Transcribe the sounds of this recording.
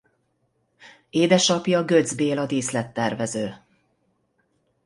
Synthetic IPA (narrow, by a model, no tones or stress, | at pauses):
eːd̪ɛʃɒpjɒɡød̪zbeːlɒd̪iːslɛt̪ːɛrvɛzøː